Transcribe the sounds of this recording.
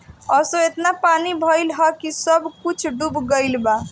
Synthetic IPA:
əsoet̪napanibʱəjlɦʌkisʌbʱkut͡ʃʰɖubɡəjlba

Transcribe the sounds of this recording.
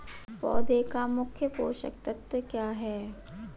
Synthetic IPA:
pɔ̰ːd̪eːkamʊkʰjəpoːʃə̰k̚t̪ɐt̪ːəkjaːɦɛː

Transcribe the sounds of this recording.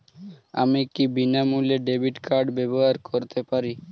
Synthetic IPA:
a̰mikibinamuleɖebiʈkʰaɾɖbɛboɦaɾkʰoɾt̪epaɾi

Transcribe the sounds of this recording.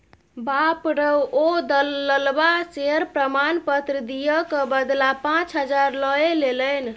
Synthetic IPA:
bapɾəwod̪əːəlbaseəɾpɾəmanpət̪ɾəd̪ijəkəbəd̪lapãt͡ʃɦəd͡ʒaɾləelelən

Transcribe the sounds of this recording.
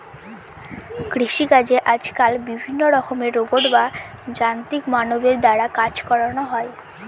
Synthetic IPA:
kɾiʃikad͡ʑeʔad͡ʑkalbibʱinːoɾɔkʰomeɾːoboɖba | d͡ʑant̪ikmanobeɾd̪aɽakad͡ʑkɔɾanoɦɔe

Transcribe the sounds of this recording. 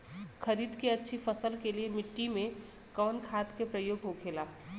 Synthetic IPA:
kʰəɾiːd̪keɐtːʃʰifʰəsəlkeliemɪʈːimẽ | kɔːnkʰaːt̪kepɾəjoːɡɦokʰeːlaː

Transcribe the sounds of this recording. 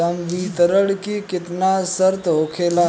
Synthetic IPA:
ɐmʋiːt̪əɾəɽkikɪt̪nasəɾt̪ɦokʰeːlaː

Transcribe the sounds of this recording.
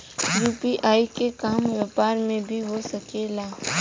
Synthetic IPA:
ɾuːpiʔaːikekaːmʋeːpaːɾmẽbʱiɦosɐkeːlaː

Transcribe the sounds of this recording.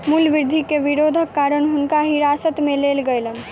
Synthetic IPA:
mulʋiɾd̪ʱikeʋiɾod̪ʱəkːaɾənɦʊnkaɦiɾasət̪melelɡəjlən

